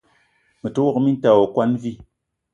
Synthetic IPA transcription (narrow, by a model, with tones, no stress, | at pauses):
mɨ˨to˦wo˦kmi˦n˦ta˨wo˨kwa˦nvi˦